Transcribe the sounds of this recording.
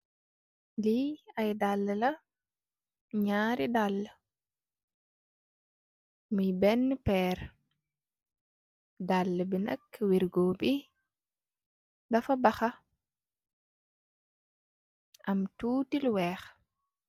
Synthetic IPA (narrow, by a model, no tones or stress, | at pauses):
liɐjdalːəlɐ | ɲaːɾidalːə | mujbɛnːpɛːɾ | dalːəbinɐ̰kːwiɾɡoːbi | dɐfɐbɐxɐ | ɐmtuːtilwɛːx